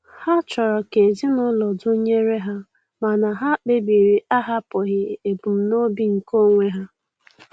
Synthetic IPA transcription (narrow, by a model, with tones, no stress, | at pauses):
ha˦t͡ʃɔ˨ɾɔ˨ke˨zi˦nʊ˦lɔ˨dʊ˦ɲe˦ɾe˦ɦa˦ | ma˨na˨ɦa˦k͡pe˦bi˨ɾi˨ʔa˦ɦa˦pɔ˨ɣɪ˦e˨bu˨m̩˨no˦bi˦ŋ̩˨ko˦ŋʷe˦ɦa˦